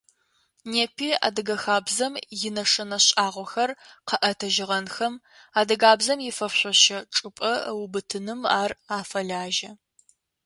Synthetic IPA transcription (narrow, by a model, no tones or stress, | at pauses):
neːpʰiːa̰ːdɨɡɐxaːbzɐmjɪnɐʂɐnɐɕʼaːʁʷɔxɐrqɐʔɐtʰɐʒɪʁɐnxɐm | aːdɐɡaːbzɐmjɪfɐfɕʷɔɕɐʈ͡ʂʼɨpʼɐwbɨtʰɨnɨma̰ːraːfɐɮaːʒɐ